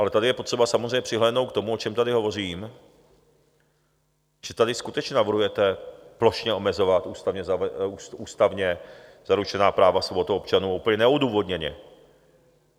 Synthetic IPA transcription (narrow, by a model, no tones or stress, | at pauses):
ʔalɛt̪adɪjɛpot̪r̝̥ɛbasamozrɛjɲɛpr̝̥ɪɦlɛːdnowt̪k̚t̪o̞muo̞t͡ʃɛmt̪adɪɦo̞vo̞r̝iːm | ʒ̥ɛt̪adɪskut̪ɛt͡ʃɲɛnavr̩ɦujɛt̪ɛplo̞ʃɲɛʔo̞mɛzo̞vat̪ʔuːst̪avɲɛzauuːst̪avɲɛ | z̥aɾut͡ʃɛnaːpɾaːvasobo̞t̪uopt͡ʃanuːʔuːpəɲɛnɛuduːvo̞d̪ɲɛɲɛ̰